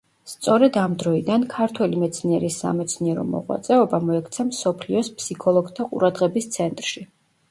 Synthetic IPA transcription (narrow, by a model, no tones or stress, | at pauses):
st̪sʼɔɾɛd̪amd̪ɾɔid̪ankʰaɾt̪ʰwɛlimɛt̪sʰniɛɾisːa̰mɛt̪sʰniɛɾɔ̰mɔ̰ʁwa̰t̪sʼɛɔbamɔɛkʰt̪sʰamsɔpʰliɔspʰsikʰɔlˠɔɡt̪ʰaqʼṵɾad̪ʁɛbist̪sʰɛnt̪ʼɾʃi